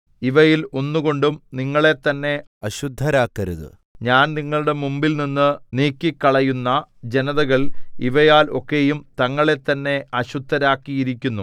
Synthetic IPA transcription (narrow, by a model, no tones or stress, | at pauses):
iʋɐjilo̞nːuɣo̞ɳɖumniŋːɐɭe̞t̪ːɐnːe̞ | ɐɕud̪ʱːɐɾaːkːɐɾuðɨ̰ | ɲaːnniŋːɐɭuɽe̞mumbilninːɨniːkːikːɐɭɐjunːɐd͡ʑe̞nɐðɐɣɐɭiʋɐjaːlo̞kːe̞jumt̪ɐŋːɐɭe̞t̪ːɐnːe̞ɐɕud̪ʱːɐɾaːkːijiɾikʲːunːu